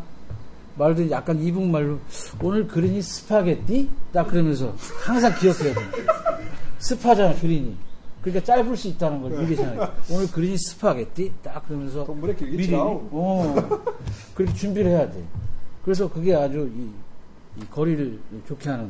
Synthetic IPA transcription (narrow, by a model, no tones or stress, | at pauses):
maɭdɯnjak̚k͈anibuŋmaɭːoonɯɭkɯɾiɲisʰɯ̥pʰaɡe̞t̚t͈it͈ak̚kɯɾʌmjʌns̬ʰʌhaŋsʰaŋkiʌkʰejadende | sʰɯpʰad͡ʑaakɯɾiɲikɯɾik͈at͡ɕ͈aɭbuɭs͈uit̚t͈anɯnɡʌɭmiɡeɕʰiŋaonɯɭkɯɾiɲisʰɯ̥pʰaɡe̞t̚t͈it͈akɯɾʌmjʌnsʰʌ | ʌ | kɯɾikʰet͡ɕumbiɾɯɭhejadḛkɯɾe̞s̬ʰʌkɯɡe̞ad͡ʑuiː | kʌɾiɾɯɭt͡ɕokʰeɦanɯn